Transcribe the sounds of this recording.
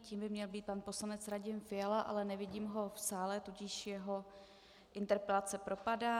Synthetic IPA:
ciːmbɪmɲɛlbiːt̪̚panpo̞slanɛt͡sɾaɟɪmfɪjalaʔa̰lɛnɛvɪɟiːmɦo̞fsaːlɛt̪uɟɪʃjɛɦo̞ | ʔɪnt̪ɛɾpɛlat͡sɛpɾo̞padaː

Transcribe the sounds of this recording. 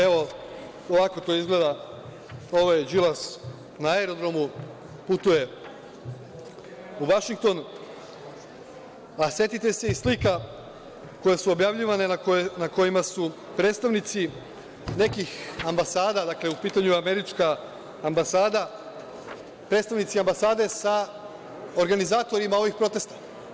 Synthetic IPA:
e̞ʋo̞ | oʋako̞t̪o̞izɡle̞d̪a | o̞ʋajd͡ʒilas | naeɾo̞d̪ɾo̞mu | put̪uje̞ | uʋaʃiŋk̚t̪o̞n | asje̞t̪it̪e̞se̞islika | ko̞jesuobjaʋʎiʋane̞aknako̞jimasu | pɾe̞ːt̪st̪aʋnit̪si | ne̞kixambasaːd̪ad̪akle̞upiːt̪aɲuame̞ɾit͡ʃkaː | mbasaːd̪a | pɾeːt̪st̪aʋnit̪siambasaːd̪e̞sa | o̞ɾɡanizaːt̪o̞ɾimao̞ʋixpɾo̞t̪e̞st̪ḁ

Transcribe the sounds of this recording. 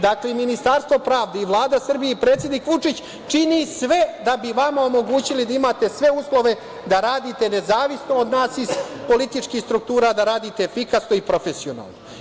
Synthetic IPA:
d̪akle̞minist̪aɾst̪ʋo̞pɾaːʋd̪eiʋlˠaːd̪asr̩bijeipɾe̞ːt̪sjed̪nikʋut͡ʂit͡ɕ | t͡ʂinisʋe̞d̪abiʋamaomo̞ɡuːt͡ɕilid̪aimaːt̪e̞sʋe̞uslo̞ʋe̞ | d̪aɾaːd̪it̪e̞ne̞zaːʋisno̞od̪naːsiz̥po̞lit̪it͡ʂkiːxst̪ɾuk̚t̪uːɾad̪aɾaːd̪it̪e̞fikasnoipɾo̞fe̞sio̞na̰ːlˠno

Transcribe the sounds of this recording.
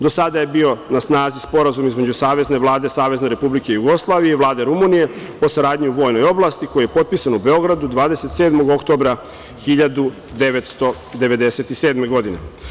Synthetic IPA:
d̪o̞sad̪aje̞bio̞nasnaːzispo̞ɾazumizme̞d͡ʑusaːʋe̞zne̞ʋlˠaːd̪e̞saːʋe̞zne̞ɾe̞publike̞ijuɡo̞slˠaːʋije̞iʋlˠaːd̪e̞ɾumunije̞ | po̞saɾaːd̪ɲiuʋo̞jno̞jo̞blˠaːst̪iko̞jije̞po̞t̪̚pisanube̞o̞ɡɾad̪ud̪ʋaːd̪e̞set̪se̞ːd̪mo̞ɡo̞kt̪o̞bɾa | xiʎad̪u | d̪e̞ʋe̞t̪st̪o̞ | d̪e̞ʋe̞d̪e̞se̞t̪ise̞ːd̪me̞ɡo̞d̪ine̞

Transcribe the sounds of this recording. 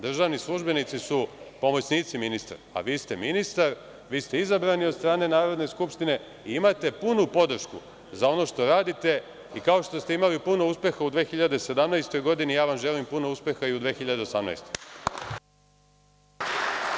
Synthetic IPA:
d̪r̩ʒaːʋnislˠuʒbe̞nit̪sisupo̞mo̞t͡ɕniːt̪siminist̪a̰ɾa̰ʋiːst̪e̞minist̪aɾ | ʋiːst̪e̞izabɾanio̞d̪st̪ɾaːne̞naːɾo̞d̪ne̞skupʃt̪ine̞ | iimat̪e̞punupo̞d̪r̩ʃku | zao̞no̞ʃt̪o̞ɾaːd̪it̪e̞ | ikao̞ʃt̪o̞st̪e̞imalipuno̞uspe̞xaud̪ʋeːxiʎad̪e̞se̞d̪amnajst̪o̞jɡo̞d̪inijaːʋamʒe̞limpuno̞uspʲe̞xaiud̪ʋeːxiʎad̪e̞o̞samna̰jst̪o̞j

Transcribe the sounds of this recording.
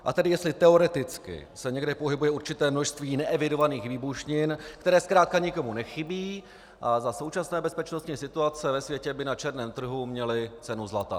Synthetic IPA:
ʔa̰t̪ɛdɪjɛst̪lɪt̪ɛo̞ɾɛt̪ɪt͡skɪ̰sɛɲɛɡdɛpo̞ɦɪbujɛuɾt͡ʃɪt̪ɛːmnoʃst̪viːnɛʔɛvɪdo̞vaniːxviːbuʃɲɪnkt̪ɛɾɛːskɾaːt̪̚kaɲɪko̞munɛxɪbiː | ʔazaso̞wt͡ʃasnɛːbɛspɛt͡ʃno̞st̪ɲiːsɪt̪uat͡sɛvɛsvjɛcɛbɪnat͡ʃɛɾnɛːmt̪r̩ɦumɲɛlɪt͡sɛnuzlat̪a̰

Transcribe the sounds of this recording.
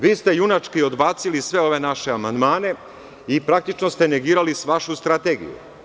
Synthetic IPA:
ʋiːst̪e̞junat͡ʃkio̞d̪baːt̪silisʋe̞oʋe̞naʃeamand̪maːne̞ | ipɾakt̪it͡ʃnost̪e̞ne̞ɡiːɾalisʋaʃust̪ɾat̪eːɡḭjṵ

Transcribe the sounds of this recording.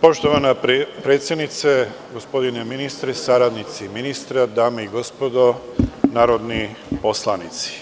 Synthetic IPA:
po̞ʃt̪oʋanapɾet̪sjed̪nit̪se | ɡo̞spo̞d̪ineminist̪ɾɛsaɾad̪nit̪siminist̪ɾad̪aːmeiɡo̞spod̪o | naːɾod̪ni | po̞slˠanit̪si̥

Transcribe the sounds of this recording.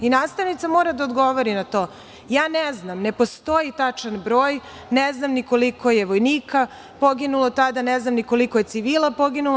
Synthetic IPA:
inaːst̪aʋnit̪samoːɾad̪aod̪ɡo̞ʋoɾinat̪o̞ː | jaːnɛznamnepo̞st̪o̞jit̪at͡ʂanbɾoːj | neznamniko̞likʰo̞jeʋojniːka | poɡinulˠot̪ad̪aneznamniko̞likoje̞t̪siʋiːlˠapo̞ɡinul

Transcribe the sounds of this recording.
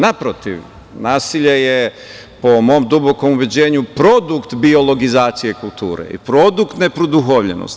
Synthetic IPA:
napɾot̪ḭʋ | naːsiʎeje | pomo̞ːmd̪ubo̞ko̞muʋed͡ʑe̞ːɲupɾo̞d̪ukt̪bio̞lo̞ɡizaːt̪sijekulˠt̪ṵːɾḛḭpɾo̞d̪ukt̪ne̞pɾod̪uxoʋʎḛno̰st̪

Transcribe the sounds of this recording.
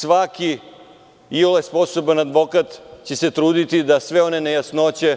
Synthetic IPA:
sʋaki | iolaspo̞so̞banad̪ʋo̞kat̪t͡ɕe̞se̞t̪ɾuːd̪it̪id̪asʋe̞o̞ne̞nejasnot͡ɕe̞

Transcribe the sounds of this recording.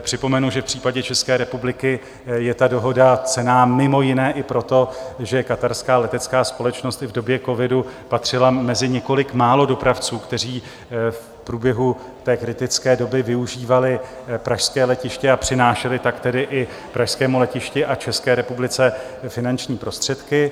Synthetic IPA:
pr̝̥ɪpo̞mɛnuʒɛfpr̝̥iːpaɟɛt͡ʃɛskɛːɾɛpublɪkɪ | jɛt̪ado̞ɦo̞dat͡sɛnaːmɪmo̞jɪnɛːʔɪpɾo̞t̪o̞ʒɛkat̪aɾskaːlɛt̪ɛtt͡skaːspo̞lɛt͡ʃno̞st̪ɪvdo̞bjɛko̞vɪdupat̪r̝̥ɪlamɛzɪɲɛko̞lɪkmaːlo̞do̞pɾaft͡suːkt̪ɛr̝iː | f | pɾuːbjɛɦu | t̪ɛːkɾɪt̪ɪt͡skɛːdo̞bɪvɪuʒiːvalɪ | pɾaʃskɛːlɛcɪʃcɛapr̥ɪnaːʃɛlɪt̪akt̪ɛdɪʔɪ | pɾaʃskɛːmulɛcɪʃcɪʔat͡ʃɛskɛːɾɛpublɪt͡sɛfɪnant͡ʃɲiːpɾo̞st̪r̥ɛt̪kɪ

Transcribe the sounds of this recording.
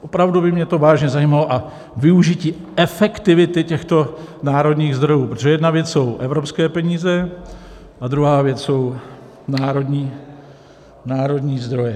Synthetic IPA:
ʔopɾavdubɪmɲɛt̪o̞vaːʒɲɛzajiːmaloʔa | vɪuʒiciː | ʔɛfɛkt̪ɪvɪt̪ɪcɛxt̪o̞naːɾo̞dɲiːɣzd̪ɾo̞juːpɾot̪oʒɛjɛdnavjɛt͡sso̞wʔɛvɾo̞pskɛːpɛɲiːzɛ | ʔad̪ɾuɦaːvjɛt͡sso̞w | naːɾo̞dɲiː | naːɾo̞dɲiːzd̪ɾo̞jɛ

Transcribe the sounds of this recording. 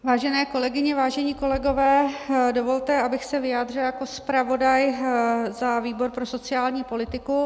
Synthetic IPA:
vaːʒɛnɛːko̞lɛɡɪɲɛvaːʒɛɲiːko̞lɛɡo̞vɛːdovo̞lt̪ɛʔabɪxsɛvɪjaːd̪r̝ɪljako̞spɾavo̞dajzaviːbo̞ɾpɾo̞so̞t͡sɪaːlɲiːpo̞lɪt̪ɪku

